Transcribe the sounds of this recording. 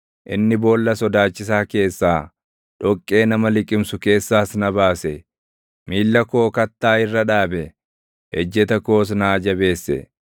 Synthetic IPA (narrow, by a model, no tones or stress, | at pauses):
ʔɪnːɪbo̞ːlːɐsɔd̪aːt͡ʃːɪs̬aːke̞ːsːaː | ᶑɔkʼːe̞ːnɐmɐlɪkʼɪmsʊke̞ːsːaːsnɐbaːsɛ | miːlːɐkoːkɐt̪ːaːɪrːɐᶑaːbɛ | hɛd͡ʒːɛt̪ɐko̞ːs̬naːd͡ʒɐbe̞ːsːɛ̰